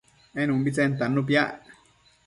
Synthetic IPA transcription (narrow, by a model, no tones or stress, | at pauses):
enumbit͡sent̪anːup̬jaʔ